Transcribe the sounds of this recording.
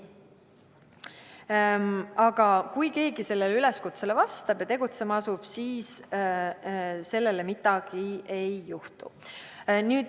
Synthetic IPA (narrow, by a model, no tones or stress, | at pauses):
ɑɡ̥ɑkujke̞ːɡise̞lːe̞lyle̞skut̪se̞lvɑst̪ɑb̥jɑt̪e̞ɡ̥ut̪se̞mɑɑsub̥siːs | se̞lːe̞lemit̪ːˑɑɡ̥ie̞jːuht̪ṵ | nyːd̪̥